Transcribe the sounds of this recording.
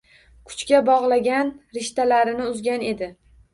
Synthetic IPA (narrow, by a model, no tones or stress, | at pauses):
kʰʊ̥t͡ʃkʲabɒʁlˠaɡʲanɾɪʃt̪ʰalaɾɪnɪʊzɡʲane̞d̪ɪ